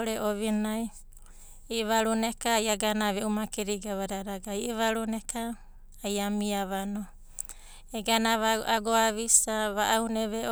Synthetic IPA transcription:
ɾeʔoβinaj | iβaɾunekaːjaɡanaβeumakeɾiɡaβaɾaɾaɡaiβaɾunekaː | jamiaβano | eɡanaβaaɡoaβisaβaʔawneβe

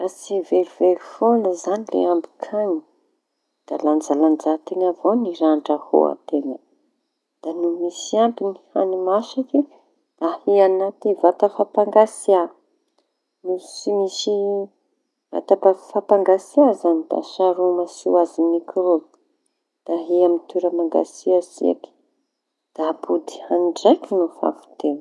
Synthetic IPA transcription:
rat͡siveluvelufonəzanilḛambi̥kʰaɲi̥ | d̪̥aland͡zaland͡zat̪enavoniɾaɳɖ͡ʐəho̰a̰t̪enə | d̪̥anumisiampiniha̰nimasiki | dahianat̪ivat̪əfapaŋɡasia | nusimisi | va̰t̪apafapaŋɡasiazanid̪̥a̰saɾumasiwazinikʰiɾol | d̪̥aɦiamit̪uɾəmaŋɡa̰siazḭa̰ki̥ | d̪̥apud̪i̥haniɖ͡ʐajkinufa̰fu̥t̪en

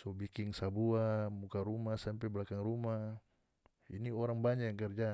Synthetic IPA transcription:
sɔbikiŋsabuamukaɾumasampɛblakaŋruma | iniɔɾaŋbaɲajaŋkɛrd͡ʒa

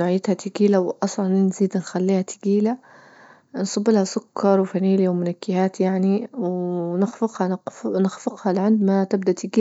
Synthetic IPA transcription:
nʊʕjɪt̪hat̪ɪɡiːlawʔɑsˤlɑnnziːd̪nxalːiːhat̪ɪ̥ɡiːla | nsˤɑbːɪlhasʊkʰːɑɾˤwfaniːljwmʊnakːɪhaːt̪jaʕniwnɪxfɪqhɑnnɪxfɪqhɑlʕɪnd̪mat̪ɪb̚d̪aʔt̪ɪɡiː

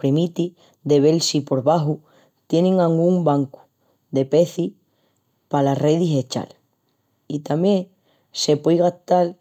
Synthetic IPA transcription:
pɾemit̪i | d̪e̞βe̞lsipo̞ɾβaɦu | t̪je̞nẽŋaŋɡumbaŋku̥ | d̪e̞pe̞θi | palareðise̞t͡ʃa̰l | it̪amjẽ̞ŋ | se̞pwejɣaht̪al

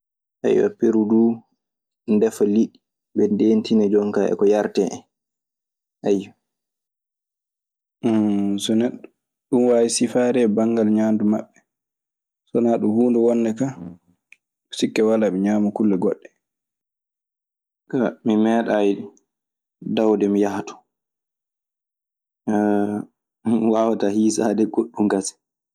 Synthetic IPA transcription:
ʔa̰jwa̰peɾudu | ndɛfaliɗi | bɛndeːntinɛd͡ʒɔŋkaʔɛ̰kɔjaɾtɛɛ | ʔajwa | sɔnɛɗɔ | ɗumwajisifaːɾɛbaŋɡalɲaːndumaɓːɛ | sɔnaɗumhuːndɛwɔnːɛka | ɗusikːɛwalamiɲaːmukulːɛɡɔɗːɛ | kamimɛːɗaj | dawdɛmijahatɔ̥ | wawatahiːsadɛɡoɗːumɡasɛ̥

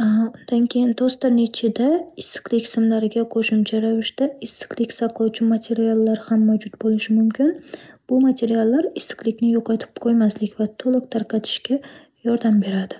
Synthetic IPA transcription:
ʊnd̪ankʲʰe̞jɪnt̪ʰost̪t̪ɪɾnet͡ʃʰɪd̪aɪsːɪ̥qlˠɪkʲsɪmlaɾɪɡʲaqʰoʃʊmt͡ʃʰaɾavɪʃt̪aɪsːɪ̥qlˠɪkʲsɑqʰlˠɑwt͡ʃʰɪmat̪ʰe̞ɾialˠːaɾhamːawd͡ʒʊt̪bolˠɪʃɪmʊmkʲʰɪnb̥ʊmat̪ʰe̞ɾijalˠːaɾɪsːɪ̥qlˠɪkʲnɪjoqʰɑt̪ʰɪ̥pqʰojmaslɪkʲvat̪ʰolˠɨq̚t̪ʰaɾqʰɑt̪ʰɪ̥ʃkʲa | jɒɾd̪ambe̞ɾad̪ɪ

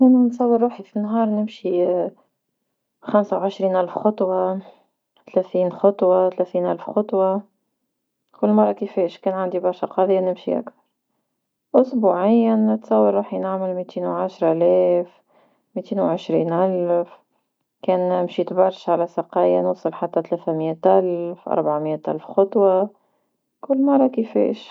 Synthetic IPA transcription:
ʔɪnunsˤɑwːəɾˤːuːħifinɦɑːɾˤnɪmʃi | xamsawʕɪʃɾiːnʔælfxɑt̪ˤwɑ | t̪alæθiːnxɑt̪ˤwɑt̪alæθiːnʔælfxʊt̪ˤwɑ | kʊlːmɑrˤːɑkəfɛːʃkɛːnʕand̪ibɑɾˤʃaqɑːðˤjːanɪmʃḭʔa̰kθɑɾˤ | ʔʊsbuʕɪjːanɪt̪sˤɑwːɑɾˤɾˤɑːħnaʕmɪlmit̪iːnwʕaʃɾˤlɛːf | mit̪iːnwʕɪʃɾḭːnʔælf | kɛːnmʃiːt̪bɑɾˤʃʕalæsɑqɑːjanusˤɨlħat̪ːæt̪læːθæmjæt̪ʔælfʔɑ̰ɾˤbʕamɪjæt̪ʔa̰lfxɑt̪ˤwɑ | kʊlːmɑrˤːɑkəfɛ̰ːʃ

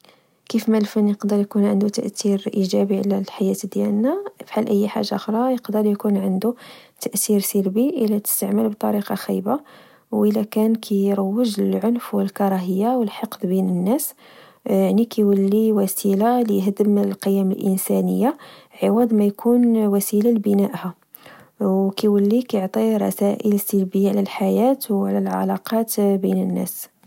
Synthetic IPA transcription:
kifmælfənːjəqd̪əɾˤjkunʕənd̪ut̪əʔt̪iɾʔiʒæbiʕlælħajæt̪d̪jælnafħalʔəjːħa̰ʒːa̰xɾˤɑjəqd̪əɾjkunʕənd̪ut̪əʔt̪iɾsəlbiʔəlæt̪ə̥st̪əʕməlbt̪ˤɑɾiqɑxḭjba | wʔəlækænkʰæjɾˤɑwːəʒlʕonfwəlkɑɾˤɑɦəjːawəlħɑqd̪ˤbinənːæs | jaʕnikʰiwəlːiwæsilalijɦd̪əmlqəjːæməlʔənsænə̰jːaʕəwɑd̪ˤmæjkʰunwæsilalbənæʔhæ | wkiwəlːikjoʕt̪ˤiɾˤɑ̰sæʔələsːəlbəjaʕlælħajæt̪wʕlælʕɑ̰lɑqɑt̪bḭnənːæ̰s

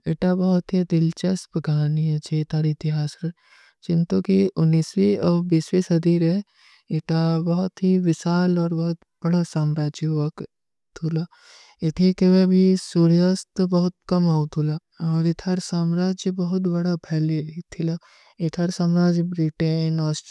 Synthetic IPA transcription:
ɪʈabɐɦʊt̪ɦid̪ɪlt͡ʃɐspɡʱaːniɐt͡ʃʰeɪt̪ʰaːɾɪt̪ɪɦaːsɾɐ | t͡ʃɪnt̪okiʊnːiːswiɔːbiːswisɐd̪iːɾɛ | ɪʈabɐɦʊt̪ɦiʋɪsaːlɔːɾbɐɦʊt̪ | b̥ɐɽasaːmɾaːd͡ʒiʋɐk | t̪ʰulaː | ɪt̪ʰikeʋebʱisuɾijast̪bɐɦʊt̪̚kɐmaut̪ʰulaː | ɔːɾɪt̪ʰaːɾsaːmɾaːd͡ʒjbɐɦʊt̪bɐɽapʰɛːlet̪ʰila | ɪt̪ʰaːɾsaːmɾaːd͡ʒbɾiʈenɔːs

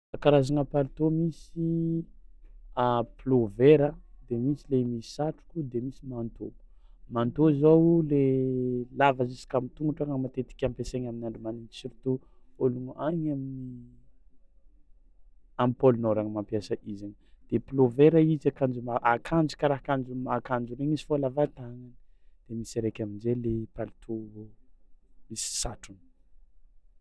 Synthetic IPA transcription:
akaɾazaŋapalit̪omisi | aploveɾəd̪emisilemii̥saʈ͡ʂu̥kʲud̪emisimant̪o | mant̪ozowlelavazisi̥kamit̪uŋɡuʈ͡ʂaŋamat̪et̪i̥kʲampeseɲaminaɳɖ͡ʐimaninsiɾit̪u | oluŋʔaɲamini | amipolunoɾaŋmampiasəʔizaɲd̪̥eploveɾaizakand͡ʒumaʔakʰand͡ʒu̥kaɾaɦakand͡ʒumakand͡ʒuɾeɲizi̥folavat̪aŋanid̪̥emiseɾekʲaminzelepalit̪ʰuo | misi̥saʈ͡ʂuni̥

